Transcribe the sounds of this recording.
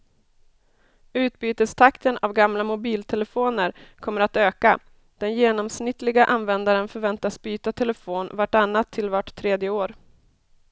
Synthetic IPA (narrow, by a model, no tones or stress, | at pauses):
ʉ̟ːt̪̚byːt̪əst̪ʰakt̪ʰənavɡamlamʊbiːlt̪ʰɛlɛfoːnəɾkʰɔmːəɾat̪øːka | d̪̥ɛnjeːnɔmsnɪt̪lɪɡaʔanvɛnd̪aɾənfœɾvɛnt̪asbyːt̪at̪ʰɛlɛfoːnvaʈanːat̪ʰːɪlvaʈʰːɾeːd̪jəoːɾ